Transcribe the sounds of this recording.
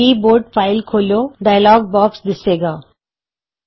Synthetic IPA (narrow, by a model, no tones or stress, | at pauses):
iːboːɾʈfaːɪlkʰoːloːɖaːjəlɔːɡ̚bɔːksd̪ɪseːɡaː